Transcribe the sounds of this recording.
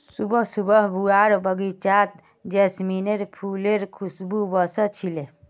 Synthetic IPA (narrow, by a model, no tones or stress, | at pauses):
subəɦsubəɦbuaɾbəɡit͡ʃat̪̚ | d͡ʒesmineɾpʰuleɾkʰusbubəsət͡ʃʰile